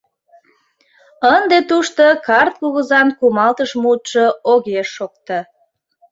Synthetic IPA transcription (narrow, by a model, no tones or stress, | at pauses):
ənd̪et̪uʃt̪okɑrt̪̚kuɣəzɑnkumɑlt̪əʃmut̪ʃooɣeʃːok̚t̪ə